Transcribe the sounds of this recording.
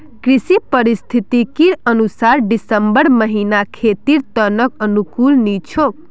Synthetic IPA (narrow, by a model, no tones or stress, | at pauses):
kɾisipəɾist̪ʰit̪ikiɾənusaɾɖisəmbəɾməɦinakʰet̪iɾt̪ənəkənukulnit͡ʃʰok